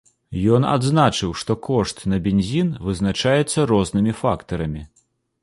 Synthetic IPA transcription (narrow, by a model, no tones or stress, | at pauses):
jɔna̰d̪znat͡ʂɨwʂt̪ɔkɔʂt̪nɐbʲenʲzʲinvɨznat͡ʂajɛt̪sːɐɾɔznɨmʲifakt̪ɐɾɐmʲi